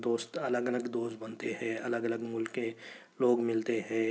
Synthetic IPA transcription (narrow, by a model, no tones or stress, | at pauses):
d̪oːst̪ɐləɡələɡd̪oːst̪̚bɐnt̪eɦɛ̃ːɐləɡələɡmʊlkẽ | loːɡmɪlt̪eɦɛ̃ː